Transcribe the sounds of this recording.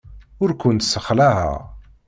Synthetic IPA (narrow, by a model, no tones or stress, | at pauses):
ʊɾkʷʊnt̪səχlæɦæ̰